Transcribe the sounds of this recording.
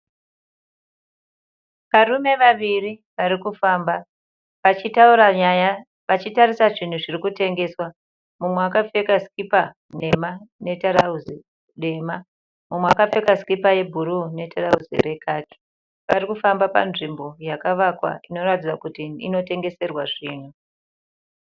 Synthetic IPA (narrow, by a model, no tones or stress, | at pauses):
ʋarume̞ʋaʋiriʋaɾikufaːmba | ʋat͡ʃitauɾaɲaja | ʋat͡ʃitarisaʐin̤uʐirikute̞ŋɡe̞ːswa | mumweakafe̞kaskipa | ne̞mane̞taɾauzi | ɗe̞ma | mumweakafe̞kaskipaje̞bʱuɾune̞tarauzḭre̞kaːki̥ | ʋaɾikufambapa̰nʐimbo̞jakaʋakwa̰ino̞ratid͡zakutḭːno̞te̞ŋɡe̞se̞rwaʐiːnu